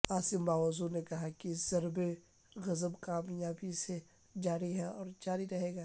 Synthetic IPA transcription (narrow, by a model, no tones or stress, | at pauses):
aːsɪmbaːʋɐzunekɐɦakizɐɾbe | ɣɐzəbkaːmjaːbise | d͡ʒaːɾiɦɛ̃ɔːɾd͡ʒaːɾiɾɐɦeːɡaː